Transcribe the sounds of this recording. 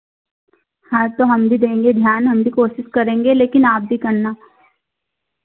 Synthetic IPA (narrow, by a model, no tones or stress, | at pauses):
hɐɾt̪oɦɐmbʱid̪ẽːŋɡed̪ʱjaːnɦɐmbʱikoːʃɪʃkɐɾẽːŋɡeleːkɪnaːp̚bʱikɐɾnaː